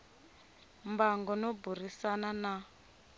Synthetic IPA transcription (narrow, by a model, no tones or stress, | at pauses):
mbaŋɡɔnɔburisanana